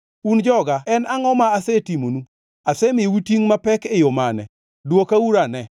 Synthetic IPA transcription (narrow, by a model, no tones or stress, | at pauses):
und͡ʒɔɡaɛnaŋɔmaasɛtimonu | asɛmɪwitiŋmapɛkejomanɛ̰ | dwokauɾanɛ